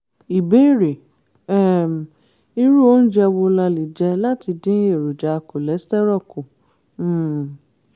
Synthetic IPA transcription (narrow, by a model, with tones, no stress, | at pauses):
i˨bẽ˨˦˨ɾe˨ | ɛ˦˨ | i˧ɾu˦o˦n̩˦d͡ʒɛ˧wo˧la˧li˨d͡ʒɛ˧la˦ti˧dĩ˦e˦˨ɾo˨d͡ʒa˨˧ko˨lɛ˨˦stɛ˦ɾɔ˦˨ko˨˦˨